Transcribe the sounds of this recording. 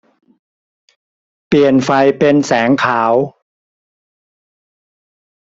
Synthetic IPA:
pli˨˩ənfa˧jpe˧nsɛː˩˦ŋkʰaː˩˦w

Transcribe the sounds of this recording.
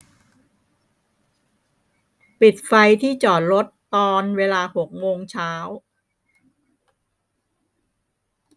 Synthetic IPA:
pi˨˩t̪̚fa˧jt̪ʰiː˥˩t͡ɕɔː˨˩t̪̚ɾo˦˥t̪ːɔː˧nweː˧laː˧ho˨˩k̚moː˧ŋt͡ɕʰaː˦˥w

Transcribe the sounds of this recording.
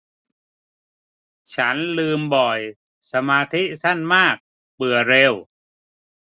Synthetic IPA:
t͡ɕʰa˦˥nlɯː˧mbɔ˨˩j | sa˧maː˧t̪ʰi˦˥sa˥˩nmaː˥˩k̚ | bɯ˨˩ɐɾe˧w

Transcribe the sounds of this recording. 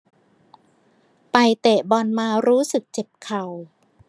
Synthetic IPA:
pa˧jt̪e˨˩ʔbɔ˧nmaː˧ɾuː˦˥sɯ˨˩k̚t͡ɕe˨˩p̚kʰa˨˩w

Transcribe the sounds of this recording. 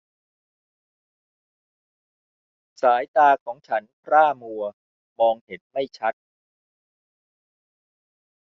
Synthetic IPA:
saː˩˦jt̪aː˧kʰɔː˩˦ŋt͡ɕʰa˦˥npʰɾaː˥˩mu˧ɐ | mɔː˧ŋhe˩˦n̚ma˥˩jt͡ɕʰa˦˥t̪̚

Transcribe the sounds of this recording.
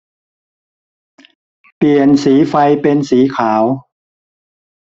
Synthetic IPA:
pli˨˩ənsiː˩˦fa˧jpe˧nsiː˩˦kʰaː˩˦w

